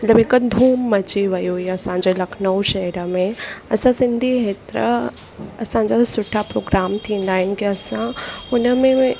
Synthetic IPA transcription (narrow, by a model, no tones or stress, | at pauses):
mɐt̪ləbekəd̪ʱuːmːɐt͡ɕiʋɐjuiɐsãɲd͡ʑolɐkʰnəuʃɐɾəmẽɐsãsɪ̃nd̪ʱiɦeːt̪ɾə̰ | ɐsãɲd͡ʑasʊʈʰapɾoːɡɾaːmt̪ʰĩːn̆d̪aːɦɪnɪ̆kiɐsãʊnəmẽ